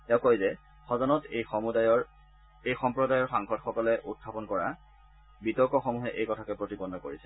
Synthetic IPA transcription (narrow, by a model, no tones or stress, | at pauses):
tɛkojzɛ | xɔzɔnɔtejxɔmudajɔɹ | ejxɔmpɹɔdajɔɹxaŋxɔdxɔkɔlɛʔut̚kʰːapɔnkɔɹa | bitɔɹkɔxɔmuɦɛʔejkɔtʰakɛpɹotibɔnːɔkoɹisɛ̥